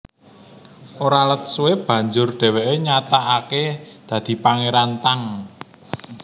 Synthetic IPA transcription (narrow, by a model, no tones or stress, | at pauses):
ʔoɾalət̪̚suweb̥ä̤ɲd͡ʒʊrɖ̥ɛ̤wɛʔeɲat̪aʔaked̪̥ä̤d̪̥i̤paŋeɾant̪aŋ